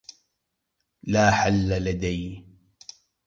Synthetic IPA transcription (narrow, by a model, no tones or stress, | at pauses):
laːħalːalad̪aj